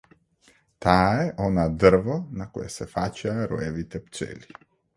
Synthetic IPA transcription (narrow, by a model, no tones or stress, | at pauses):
t̪aɛʔɔnad̪r̩vɔnakɔ̰jɛsɛfacaɾɔ̰jɛvit̪ɛpt͡ʃɛ̰li